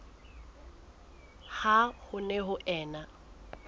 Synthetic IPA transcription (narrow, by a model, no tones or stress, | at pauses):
hahʊnɛɦʊʔɛːna